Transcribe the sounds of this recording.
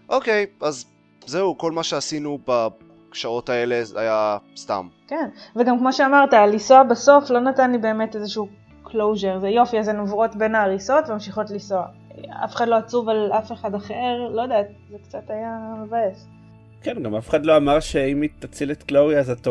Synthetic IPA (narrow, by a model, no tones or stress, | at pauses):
ʔo̞ke̞jaz | zeuko̞lmaʃeasinuba | kʃao̞taele̞a̰jast̪a̰mkenveɡamkmo̞ʃeamaʁtaalisoabaso̞flo̞natanlibe̞ːme̞tezeʃuː | kʰlo̞wʒeʁzejo̞fiazenovʁo̞tbe̞naːʁiso̞tveamʃiχo̞tlisoa | a̰feχadlo̞at͡suvalafe̞χadaχeʁlo̞jod̪eat̚ | zekt͡satajamevaes | kenɡamafeχadlo̞amaʁʃeimit̪at͡silet̪kloiazato